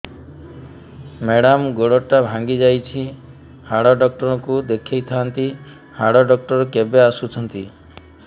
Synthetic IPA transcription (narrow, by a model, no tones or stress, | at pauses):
meɽamɡoɽɔʈːabʱãŋɡid͡ʒajt͡ʃʰi | haɽɔɖɔk̚ʈɔɾɔkud̪ekʰejt̪ʰant̪i | haɽɔɖɔk̚ʈɔɾɔkebeasut͡ʃʰɔnt̪i